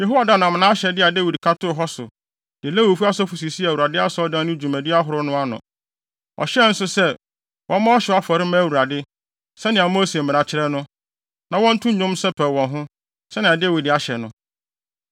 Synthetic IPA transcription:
je˨ɦo˦wa˨dã˦˨nã˨m˨nã˦ɕɛ˨dɪ˦a˨de˦wi˨dkʰa˦tʊ˦˨ɦɔ˦sʊ˨ | dɪ˨le˦wu˨fu˦a˦sɔ˦fu˨s̬i˨si˦æ˨wu˨ɾa˨dɪ˦a˦sdã˦nʊ̃˦d͡ʑᶣu˨mæ̃˨dɪ˦a˦ɦʊ˨ɾʊ˦nʊ̃˦a˦nʊ̰̃˨ | ɔ̰˨ɕɛ˦n̩˦sʊ˦sɛ˦ | wʔɔ̃˦mã˦ɔ˦ɕɛ˨a˦fɔ˨ɾɪ˦mã˦æ˨wu˨ɾa˨dɪ˦ | sɛ˦nɪ̃˨a˨mo˦se˨m̩˨mɪ̃˨ã˨t͡ɕʰɪ˦ɾɛ˦nʊ̃˦ | nã˨wɔ̃˦n̩˦tʰʊ̃˦ɲʊ̃˦msɛ˦pʰɛ˨wɔ̃˨nɦʊ̃˦ | sɛ˦nɪ̃˨a˨de˦wi˨da˦ɕɛ˨nʊ̃˦

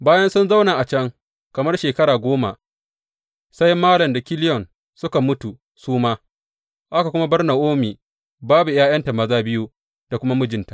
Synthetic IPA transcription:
baː˦jɐ˦nsʊ˦nza˦wna˨ʔa˨t͡ʃɐ˦ŋ | kɐ˨mɐ˦rʃeː˨kɐ˦ɽaː˨ɡʷoː˦ma̰˨ | sa˦jmaː˦lɐ˨mda˨kʲɪ˦lɪ˦jɔ˨n | sʊ˦ka˨mʊ˦tu˨ | suː˦maː˦ | ʔa˦ka˨kʷʊ˦ma˦bɐ˦rna˨ʔoː˦miː˨ | baː˦bu˨jaː˦jɐ˦nta˨mɐ˦zaː˦bɪ˦ju˦ | da˨kʷʊ˦ma˦mʊ˦d͡ʒɪ˨nta˨

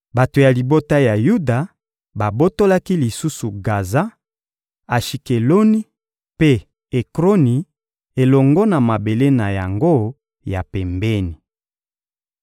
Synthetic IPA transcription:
ba˨to˨ja˨li˨bo˦ta˦ja˨ju˦da˨ | ba˨bo˦to˦la˦ki˦li˨su˦su˨ɡa˨za˦ | a˨ʃi˨ke˨lo˦ni˦ | pe˦ | e˨kʁo˦ni˨ | e˨lɔ˨ŋɡɔ˦na˨ma˨be˨le˦na˨ja˨ŋɡo˦ | ja˨pɛ˨mbɛ˦ni˨

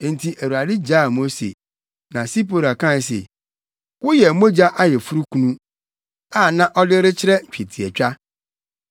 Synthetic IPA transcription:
n˨tʰi˨ʔæ˨wu˨a˨dɪ˦d͡ʑaː˦˨mo˦sḛ˨ | nã˨si˦po˦ɾa˨kã˦˨s̬ḛ˨ | wʊ˦jɛ˨mo˦d͡ʑa˦ʔa˦jɛ˨fu˦ɾu˦kʰũ˦nũ˦ | a˦˨nã˦ʔɔ˦dɪ˦ɾɪ˦t͡ɕʰɪ˦ɾɛ˦ɲ̩˨t͡ɕᶣe˨tʰi˨ɛ˨t͡ɕᶣa˦

